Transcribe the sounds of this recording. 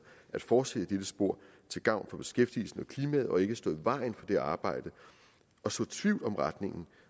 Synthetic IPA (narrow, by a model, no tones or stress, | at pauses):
ʔæd̥fɒ̥ːsed̥əd̥ed̥əsb̥o̝ɐ̰ | t͡sʰe̝lɡ̥ɑ̈ʊ̰nfɒ̽b̥e̝̥sɡ̥efd̥ḭl̩sn̩ɒkʰliːmɛð̩ˠɒ̽e̝ɡ̥əsd̥ɔ̽ːð̩ˠʋɑ̈ɪn̩fɒ̽d̥eɑ̈ːb̥ɑ̈ɪ̰d̥ə | ɒ̽sɔ̰̽ːt͡sʰʋiʊldɒ̽mʁɑd̥ne̝ŋn̩